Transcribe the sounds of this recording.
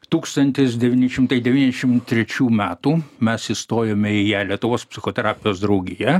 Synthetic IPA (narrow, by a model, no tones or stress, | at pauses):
t̪uːkst̪ɐnʲt̪ʲɪs̬d̪ʲɛʋʲiːnʲɪʃʲɪmt̪ɐɪd̪ʲɛʋʲiːnʲɛzʲɛʃʲɪmt̪ʲɾʲɛt͡ʃʲuːmʲæːt̪uːmʲɛsist̪oːjɛmʲɛɪjælʲiɛt̪ʊʋoːspʲsʲɪxoːt̪ʲɛɾɑːpʲɪjoːsd̪ɾɐʊɡʲɪjɛ